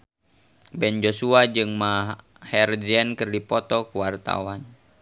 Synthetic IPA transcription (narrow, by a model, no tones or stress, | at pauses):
bɛnd͡ʒosuad͡ʒɨŋma | hɛrd͡ʒɛnkɨrdipɔt̪ɔkuwart̪a̰wan